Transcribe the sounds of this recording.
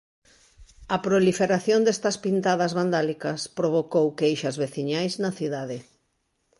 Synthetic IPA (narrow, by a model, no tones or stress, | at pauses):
ɐpɾolifeɾaθjond̪est̪ɐspint̪aðɐzβand̪alikɐspɾoβ̞okowkejʃɐzβeθiɲajznɐθiðaðɪ